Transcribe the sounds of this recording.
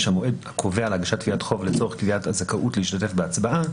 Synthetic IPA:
ʃamoʔed̪akʰo̞veaːlaɡaʃat̚ːkviatχo̞vlet͡so̞eχkviatazakaʔutleiʃtat̬e̞fbeat͡sbaʔa

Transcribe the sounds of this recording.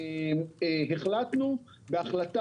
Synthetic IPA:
ɦe̞χlat̪nu | beaχlat̪a

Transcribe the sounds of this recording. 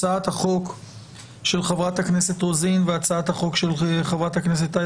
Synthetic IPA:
aat̪haχo̞k | ʃe̞lχavʁat̪haknese̞t̪ʁozinveat͡saat̪haχo̞kʃelχavʁat̪haknes̬et̪a

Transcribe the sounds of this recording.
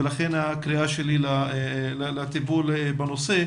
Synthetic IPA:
elaχe̞nhakʁiaʃelilalalat̪ibulebano̞se̞

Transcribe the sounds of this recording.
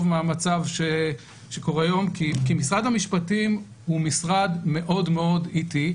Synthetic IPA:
vmeamat͡savʃe | ʃeko̞ʁejo̞mkikimisʁad̪hamiʃpatim | humisʁadme̞ʔo̞dme̞o̞diti

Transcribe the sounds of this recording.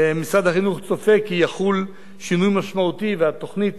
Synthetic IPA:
misʁad̪haχinuχt͡sofe̞kːijaχul | ʃinujmaʃmaut̪iveat̪o̞χnit̪

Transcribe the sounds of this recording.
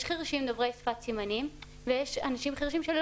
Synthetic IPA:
ʃχiʁʃimd̪ovʁejsfat̪simanim | vejeʃanaʃimχiʁʃ̬imʃel

